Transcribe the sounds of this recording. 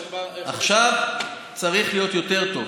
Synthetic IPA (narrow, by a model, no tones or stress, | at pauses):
ʔaχʃav | t͡saʁiχlijo̞t̪jo̞te̞ʁt̪o̞v